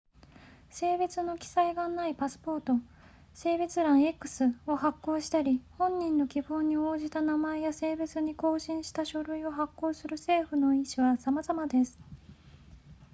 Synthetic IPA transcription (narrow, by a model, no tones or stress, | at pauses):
se̞ːbet͡sɨno̞kʲi̥saiɡanaipasɨ̥po̞ːt̪o̞ | se̞ːbet͡sɨɾãɰ̃e̞kːɯ̟̥sɨo̞hakːo̞ːɕi̥t̪aɾʲihõ̞ɲːĩnːo̞kʲiɸo̞ːɲ̟ːio̞ːʑit̪anamaejase̞ːbet͡sɨɲ̟iko̞ːɕĩɰ̃ɕi̥t̪aɕo̞ɾɯ̟io̞ɦakːo̞ːsɨɾɯ̟se̞ːɸɯ̟no̞ĩɕiβasamazamad̪e̞sɨ̥